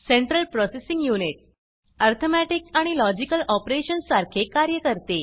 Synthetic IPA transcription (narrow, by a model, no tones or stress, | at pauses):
seɳʈɾəlpɾɔsesĩŋɡjuniʈ̚ | aɾt̪ʰomæʈiksaɽ̃ilɔd͡ʑikəlɔpɾeɕənssaɾkʰekaɾjəkəɾt̪e